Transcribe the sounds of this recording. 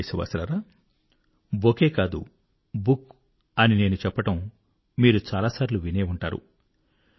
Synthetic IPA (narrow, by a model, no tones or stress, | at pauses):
sɐʋa̰ːsɐɾaɾaː | bokeːkaːd̪ṵ | buk | ɐnine̞ːnut͡ʃɛpːɐʈɐm | miːɾut͡ʃaːlaːsaːɾiluʋine̞ːuɳʈaːɾṵ